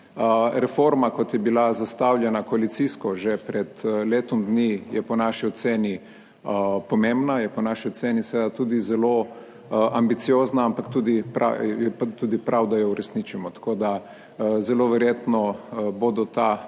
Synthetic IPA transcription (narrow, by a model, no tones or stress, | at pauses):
ɾɛfoɾmakɔt̪jɛbilazast̪awlʲjɛnakoalit̪siskɔʒɛpɾɛt̪leːt̪ɔmd̪nijɛpɔnaʃiɔt̪seːni | pɔmembnajɛpɔnaːʃiɔt̪seːnisʋed̪at̪uːd̪izɛlo | ʔambit̪sijoːznaampakt̪uːd̪ipɾa̰jɛpt̪uːd̪ipɾʔawd̪ajɔuɾɛsniːt͡ʃimɔt̪ḁkoːd̪a | zɛloʋɛɾjeːt̪nɔbod̪ɔt̪a